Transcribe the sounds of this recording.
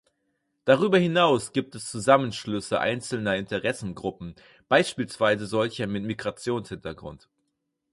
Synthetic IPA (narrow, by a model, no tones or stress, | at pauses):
d̥aʁ̞yːbɐhɪnaʊsɡ̥iːp̚tɛst͡suzamənʃlʏsəʔa̰ɪnt͡sl̩nɐɪntəʁɛsn̩ɡʁʊpm̩ | b̥aɪʃpiːlsv̥aɪzəzɔlçɐmɪtmiɡʁat͡sjoːnshɪntɐɡʁʊ̰nt